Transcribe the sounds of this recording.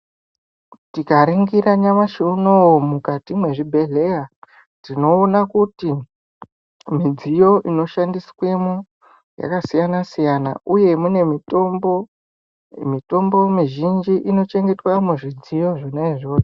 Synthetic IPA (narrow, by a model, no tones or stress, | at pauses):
tikaɾiŋɡiɾaɲamaʃeunowomukatimwe̞ʐibʱe̞ɮe̞ja | tino̞ːnakuti | mid͡zijo̞ʔino̞ʃandiswe̞mu | ja̰kasijanasijana̰ʔuje̞mune̞mitombo | mito̞mbo̞miʒind͡ʒiʔino̞t͡ʃe̞ŋɡe̞twamuʐid͡zijo̞ʐonaiʐoːte̥